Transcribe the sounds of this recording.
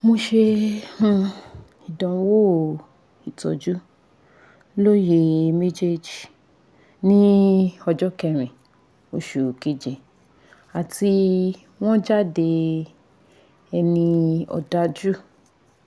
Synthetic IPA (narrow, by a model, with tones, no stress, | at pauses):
mo˧ʃe˧ũ˦˧ | i˨dɔ̃˨˦wo˦˨ | i˨tɔ̰˨d͡ʒu˦ | lo˦je˧me˦d͡ʒe˦d͡ʒi˨ | nĩ˦ɔ˧d͡ʒɔ˦kɛ˦˨ɾ̃ĩ˨ | o˨˦ʃu˨ke˨˦d͡ʒe˨ | a˨ti˧ | w̃ɔ̃˦d͡ʒa˦˨de˧ | ɛ˧nĩ˧ɔ̰˧da˦d͡ʒu˦